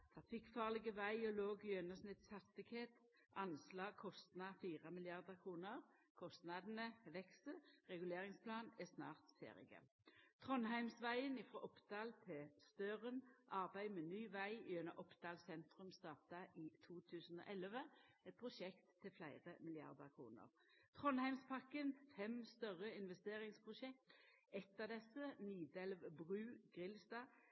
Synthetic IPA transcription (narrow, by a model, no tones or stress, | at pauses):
t̪ʰʁɑfɪkfɑːʁlɪɡəʋæɪɔloːɡjœnəsnɪt̪shɑst̪ɪɡheːt̪ | ʔɑnslɑːɡ̚kʰɔst̪nɑfiːʁəmɪlɪɑʁd̪əʁkʰʁuːnəʁkʰɔst̪nɑd̪n̩əʋɛksəʁɛɡʉleːʁɪŋspʰlɑːnɛsnɑ̰ːʁt̪fḛːʁɪ̰ɡə̰ | t̪ʰʁɔnɦæɪmsʋæɪənɪfʁoːʔɔpd̪ɑːlt̪ʰɛst̪øːʁənʔɑʁbæɪmeːnyːʋæɪɪœnəʔɔpd̪̥ɑːlsɛnt̪ʁʉmst̪ɑːʁt̪ɑʔiːt̪ʰuːt̪ʰʉːsn̩o̰ːʔɛlʋəɛt̪̚pʰʁʊʃɛkt̪ʰːɪlflæɪʁəmɪlɪɑ̰ʁd̪əʁkʰʁṵːnə̰ʁ | t̪ʰʁɔnhæɪmspʰɑkənfɛmst̪œʁəɪnʋɛst̪eːʁɪŋspʰʁʊʃɛkt̪ | ɛt̪ːəd̪ɛsəniːd̪ɛlʋbʁʉːɡ̥ʁɪlst̪ɑː